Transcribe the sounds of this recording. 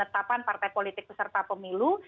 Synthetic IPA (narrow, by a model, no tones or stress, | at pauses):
ət̪apanpart̪ajpolit̪ɪk̚bəsərt̪apəmilu